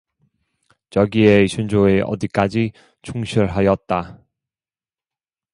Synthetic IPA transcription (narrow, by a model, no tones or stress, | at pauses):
t͡ɕʌɡieɕʰund͡ʑoe̞ʔʌ̰dik͈ad͡ʑi | t͡ɕʰuŋɕʰiɭɦajʌt̚t͈a